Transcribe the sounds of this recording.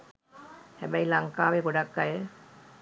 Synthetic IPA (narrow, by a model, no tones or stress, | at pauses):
hɛbajlaŋkaːʋeɡoɖakːajə